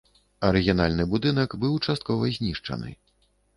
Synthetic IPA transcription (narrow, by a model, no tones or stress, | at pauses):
ɐɾɨɣʲinalʲnɨbud̪ɨnɐkbɨwt͡ʂast̪̚kɔvɐzʲnʲiʂt͡ʂɐ̰nɨ̰